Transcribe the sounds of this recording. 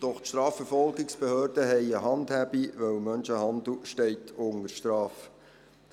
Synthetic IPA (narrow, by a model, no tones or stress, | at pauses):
d̥ɔχtʃtɾɑːfəɾfɔlɡɪksb̥ehøːɾd̥əɦɛɪəɦɑnd̪hæbiʋœwmœnʃəhɑnd̪l̩ʃtɛɪtʰʊnəɾʃtɾɑːf